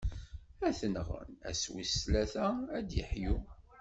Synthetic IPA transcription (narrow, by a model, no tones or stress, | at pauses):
æθənʁə̰næ̰swislæθææd̪jə̰ħju